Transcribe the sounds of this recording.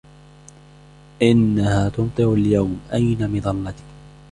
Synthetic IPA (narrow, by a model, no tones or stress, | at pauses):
ʔɪnːahaːt̪ʊnt̪ˤɨɾaljawmʔajnamɪðˤɑlːɑt̪ɪ̥k